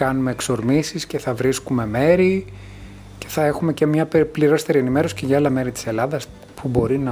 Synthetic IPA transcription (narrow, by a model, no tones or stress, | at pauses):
kɐnume̞ːkso̞ɾmisisce̞θɐvɾiskume̞me̞ɾi | ce̞̥θɐe̞xume̞ce̞mɲɐpliɾo̞st̪eɾie̞nime̞ɾo̞si̥ceʝɐɐlɐme̞ɾit̪i̥se̞lɐðɐs | pʰubo̞ɾinɐ